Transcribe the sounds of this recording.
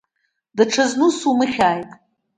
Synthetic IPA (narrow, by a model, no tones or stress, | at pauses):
daʈ͡ʂʰaznusumɨχʲaːjtʼ